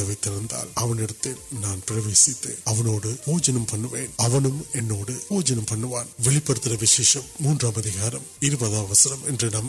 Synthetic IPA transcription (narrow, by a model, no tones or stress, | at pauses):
ɐʋɐɪt̪ːɪɾɐnd̪a̰ːlɐʋɐnɛɽɯt̪ːeːlnaːnpɪɾɐʋeːsɪt̪ːḛːnɐʋɐnoːɽɯpoːd͡ʒɐnɐmpɐɳːɯʋeːnɐʋɐnɯmɛnːoːɽɯpoːd͡ʒɐnɐmpɐɳːɯʋaːnʋɛɭɪpːɐɾɯt̪ːɪɾɐʋɪʂeːʂɐmːuːndraːmɐðɪɣaːɾɐmɪɾɯbɐðaːʋɐsɐnɐmɛndrɛnɐm